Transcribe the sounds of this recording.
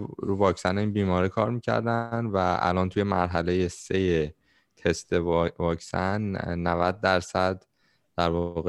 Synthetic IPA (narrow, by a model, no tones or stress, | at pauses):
vɒːcsæneiːnbiːmɒːɾikʰɒːɾmiːcʰæ̰ɾd̪ænvææ̰lɒnt̪ʰuje̞mæɾɦælejeseje | t̪ʰe̞st̪evɒːcsænːævæd̪̚ːæɾsæd̪ | d̪̥æɾvɒɣe